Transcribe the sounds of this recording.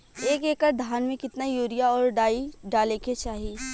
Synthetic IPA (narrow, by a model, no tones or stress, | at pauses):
eːkeːkəɾd̪ʱaːnmẽkɪt̪najuːɾijaɔːɾɖaːiɖaːlẽːket͡ʃaːɦi